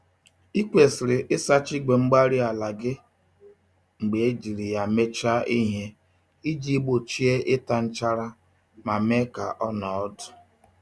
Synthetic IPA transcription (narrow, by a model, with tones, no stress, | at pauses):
i˦kʷe˨sɪ˨ɾɪ˨ʔɪ˦sa˦t͡ʃi˦ɡ͡be˨ŋ͡m̩˦ɡ͡ba˦ɾi˦a˨la˨ɡɪ˦ | ŋ͡m̩˨ɡ͡be˨e˦d͡ʒi˨ɾi˨ja˨me˦t͡ʃa˦i˦ɦe˦ | i˦d͡ʒi˦bo˨t͡ʃi˦e˦ʔɪ˦ta˨n̩˦t͡ʃa˦ɾa˦ | ma˨me˦ka˨ʔɔ˦nɔ˨ɔ˦dʊ̥˨